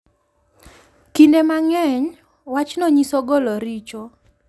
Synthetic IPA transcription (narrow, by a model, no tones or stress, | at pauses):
kindemaŋɛɲ | wat͡ʃnɔɲisoɡɔlɔɾit͡ʃo